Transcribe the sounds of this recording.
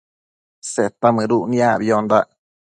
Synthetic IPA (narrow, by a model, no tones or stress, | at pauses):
set̪amɨ̃ɾuʔnĩabiond̪a